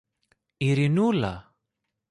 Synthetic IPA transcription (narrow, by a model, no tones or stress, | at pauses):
iɾinula̰